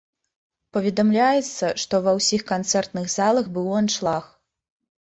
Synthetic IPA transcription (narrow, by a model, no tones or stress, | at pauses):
pɐvʲɛd̪amlʲajɛt̪sːɐʂt̪ɔvɐwsʲixkant̪sɛrt̪nɨɣzalˠɐxbɨwɔnʂlˠax